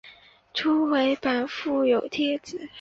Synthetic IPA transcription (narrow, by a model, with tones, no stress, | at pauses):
ʈ͡ʂʰu˥we˧˥ɪpa˨˩nfu˥˩jo˨˩ʊt̪ʰjɛ˥t͡sɹ̩˨˩˦